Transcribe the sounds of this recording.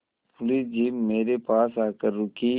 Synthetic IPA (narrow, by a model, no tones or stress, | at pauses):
pʊlisd͡ʒiːmːeːɾepaːsaːkəɾːʊki